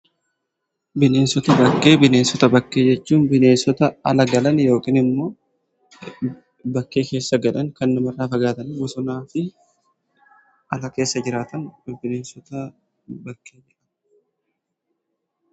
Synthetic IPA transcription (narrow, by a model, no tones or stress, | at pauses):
bɪne̞ːnsɔt̪ɐbɐkːe̞ːbɪneːnsɔt̪ɐbɐkːe̞ːd͡ʒɛt͡ʃːuːnbɪne̞ːnsɔt̪ɐɐlɐɡɐlɐnjo̞ːkʼiːnɪmːo̞ː | bɐkːe̞ːke̞ːsːɐɡɐᶑɐŋkɐnːʊmɐrːaːfɐɡaːt̪ɐnɪʊsʊnaːfɪ | ɐlɐke̞ːsːɐd͡ʒɪɾaːt̪ɐnbɪne̞ːnsɔt̪ɐ | bɐkːe̞ːd͡ʒɛᶑɐn